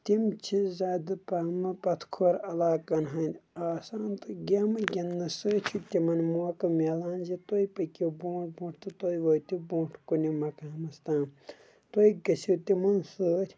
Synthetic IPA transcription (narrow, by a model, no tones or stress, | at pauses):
t̪imt͡ʃʰizaːd̪ɨpɐmɨpɐt̪ʰkʰoːɾɐlaːkɐnɦɐnʲaːsaːnt̪ɨɡemɨɡʲɐnːɐsɨːt͡ʃʰit̪ʲimɐnmuɐkɐmʲelaːnzit̪ojpɐkʲibõːʈ̚ʰbũːʈʰt̪ɨt̪ojʋoːt̪ibõːʈʰkunimɐkɐɐmɐst̪ãːm | t̪ojiɡɐsit̪imɐnsəːɾʲ